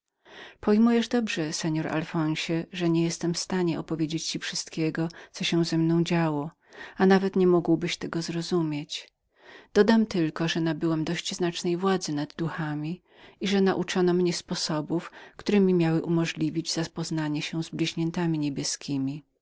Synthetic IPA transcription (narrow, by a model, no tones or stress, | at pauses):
pɔjmujɛʐd̪ɔbʐɛsɛɲɔɾʔa̰lfɔ̃w̃ɕɛʐɛɲɛjɛst̪ɛmfst̪aɲɛʔɔpɔvʲjed͡ʑet͡ɕt͡ɕifʂɨst̪kʲɛɡɔt̪sɔɕɛ̃zɛmnɔ̃w̃d͡ʑawɔ | anavɛt̪ɲɛmuɡwbɘɕt̪ɛɡɔzɾɔzumʲjet͡ɕ | d̪̥ɔd̪amt̪ɘlkɔʐɛnabɘwɛmd̪ɔɕt͡ɕznat͡ʂnɛjvwad̪zɘnad̪ːuxamʲi | iʐɛnaʔut͡ʂɔnɔmɲɛspɔsɔbufkt̪uɾɛmʲimʲjawɘʔumɔʐlʲivʲid͡ʑzapɔznaɲɛɕɛ̃zblʲiʑɲɛnt̪amʲiɲebʲjɛskʲʰimʲi